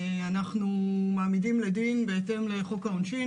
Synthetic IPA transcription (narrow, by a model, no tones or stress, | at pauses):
anaχnumaːmidimledinbeete̞mle̞χokaonʃi